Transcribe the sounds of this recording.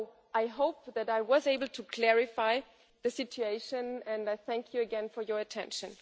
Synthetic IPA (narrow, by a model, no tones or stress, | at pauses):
ʔaɪɦoʊp̚ðæɾaɪwʌzeɪbəl̩ˠtʰukʰl̥ɛɹɪfaɪ | ðɨsɪt͡ʃueɪʃɨ̃nɛ̃naɪθæ̃ŋkʰjuɨɡɛ̃nfɔ˞jə˞ɨtʰɛ̃nʃɨ̃n